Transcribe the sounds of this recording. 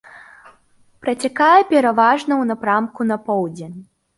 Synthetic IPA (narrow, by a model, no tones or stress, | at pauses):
pɾɐt͡sʲakajɛpʲɛɾɐvaʐnɐwnɐpɾamkunɐpɔwd͡zʲɛ